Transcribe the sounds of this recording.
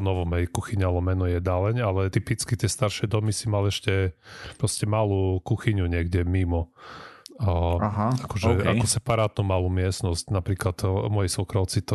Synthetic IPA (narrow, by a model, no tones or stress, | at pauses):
ɔnɔʋɔmɦɛjkuxiɲalɔmɛnɔjɛd̪alɛɲalɛt̪ipit͡skit̪ɪɛst̪aɾʃɛd̪ɔmisimalɛʃcɛpɾɔscɛmalukuxiɲuɲɪɛɡɟɛmimɔ | aɦaakɔʒɛakɔsɛpaɾaːt̪numalumɪɛsnɔscnapɾiːklad̪mɔjɛsɔkɾɔʊt͡sit̪